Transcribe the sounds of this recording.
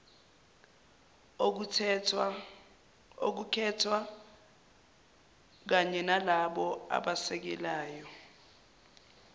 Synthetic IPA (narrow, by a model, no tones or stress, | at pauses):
o̰k̬ukʰɛtʰwa | k̬aɲɛnalaɓɔa̰ɓasɛk̬ɛlaːjɔ